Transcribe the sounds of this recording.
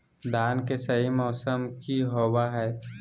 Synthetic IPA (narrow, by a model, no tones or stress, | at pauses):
d̪ʱaːnkesɐɦimɔːsəmkiɦoːwaɦɛː